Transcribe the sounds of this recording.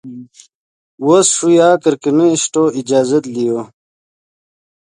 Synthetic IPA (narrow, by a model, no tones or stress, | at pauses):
wosʂujaːkɐɾkimeiɕʈoːid͡ʑaːzɐt̪lijoː